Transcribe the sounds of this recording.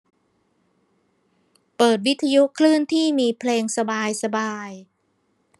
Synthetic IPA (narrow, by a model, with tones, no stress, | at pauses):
pɤː˨˩t̪̚wi˦˥t̪ʰːa˧ju˦˥kʰlɯː˥˩nt̪ʰiː˥˩miː˧pʰleː˧ŋsa˧baː˧jsa˧baː˧j